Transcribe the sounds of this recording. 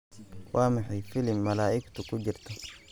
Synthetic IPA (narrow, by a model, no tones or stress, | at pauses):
wʔaːmaħifilimːalaːʔikt̪ukuɟiɾt̪a